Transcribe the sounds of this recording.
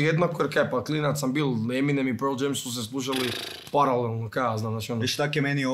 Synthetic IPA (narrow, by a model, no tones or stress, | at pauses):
jed̪nakoeɾkɛpaklinat̪sambiːlˠeminemipeɾld͡ʒemssus̬eslˠuːʃ̬ali | paɾalelˠnokaznamzaːt͡ʃionoʃt̪akemeni